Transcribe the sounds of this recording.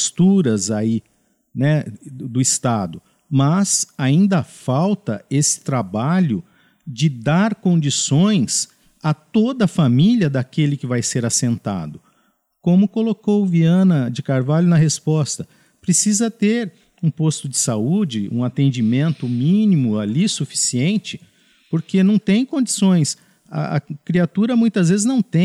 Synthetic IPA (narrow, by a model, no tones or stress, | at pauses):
st̪uɾɐzai | nɛd̪ʊɪst̪ad̪ʊ | mɐzaĩnd̪ɐfawt̪ɐesɪ̥t̪ɾabaʎʊ | d͡ʒɪd̪aɾkõnd͡ʒisõj̃s | at̪od̪ɐfamiʎiɐd̪akelɪkɪvajseɾasẽnt̪a̰d̪ʊ | kõmʊkolokowviɐ̃nɐd͡ʒɪkaɾvaʎʊnɐɦespɔst̪ɐ | pɾesizɐt̪eɾ | ũpost̪ʊd͡ʒɪsaud͡ʒɪṵ̃at̪ẽnd͡ʒimẽnt̪ʊmĩnimʊalisufi̥siẽnt͡ʃɪ̥ | poɾkenɐ̃w̃t̪ẽj̃kõnd͡ʒisõj̃s | ɐ̰ʔɐ̰kɾiat̪uɾɐmũj̃t̪ɐzvezɪznɐ̃w̃t̪ẽ